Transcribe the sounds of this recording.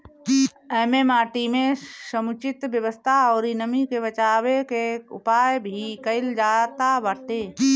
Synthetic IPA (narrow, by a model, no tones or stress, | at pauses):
ɛːmemaːʈimẽsəmʊt͡ʃɪt̪bjəwəst̪ʰaɔːɾinəmikeβət͡ʃaːwekeʊ̰paːjbʱikəɪld͡ʒaːt̪abəʈ̪e